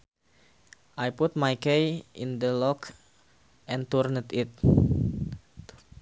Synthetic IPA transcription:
ʔajput̪̚majkejḭnd̪əlɔk | ʔɛ̃nt̪urnət̪it̪̚

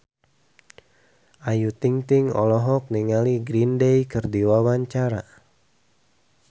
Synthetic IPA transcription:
ʔajut̪iŋt̪ɪŋɔ̰lɔɦɔk̚niŋaliɡɾindejkɨrdiwawaɲt͡ʃaɾa̰

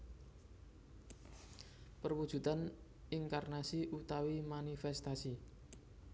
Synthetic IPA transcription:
pərwud̥ʒ̥ṳt̪an | iŋkarnasiʔut̪awimanifɛst̪asi

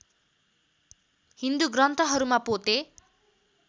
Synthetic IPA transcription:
hind̪uɡrʌnt̪ʰʌɦʌɾumapot̪e

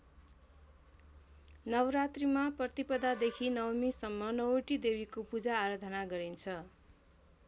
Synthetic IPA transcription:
nʌwɾat̪rimaprʌt̪ipʌd̪ad̪ekʰinʌwmisʌmːʌnʌwoʈid̪ebikopud͡zaːɾʌd̪ʱʌnaɡʌɾint͡sʰʌ

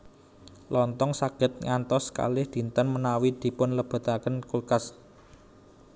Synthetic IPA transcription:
lɔnt̪ɔŋsaɡ̥ə̤t̪̚ŋant̪ɔska̰lɪhd̪̥i̤nt̪ənmənawid̪̥i̤pʊnləb̥a̤t̪akənkulkas

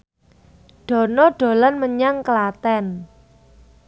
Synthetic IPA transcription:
ɖ̥ɔ̤nɔɖ̥o̤lanməɲaŋkəlat̪ɛn

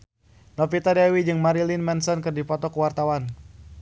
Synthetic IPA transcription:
nɔpit̪adɛwid͡ʒɨŋmaɾilinmɛnsɔnkɨrdipɔt̪ɔkuwart̪awan

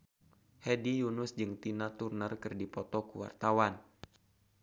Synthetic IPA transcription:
hɛdijunʊsd͡ʒɨŋt̪inat̪urnərkɨrdipɔt̪ɔkuwa̰rt̪awan

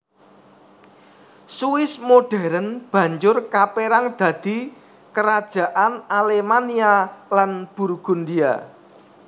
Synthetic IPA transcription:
suɪsmoɖ̥ɛ̤ɾənb̥ä̤ɲd͡ʒʊrkapeɾaŋd̪̥ä̤d̪̥i̤ | kəɾad̥ʒ̥a̤ʔanalemanialanb̥ṳrɡ̥ṳnd̪ia̰

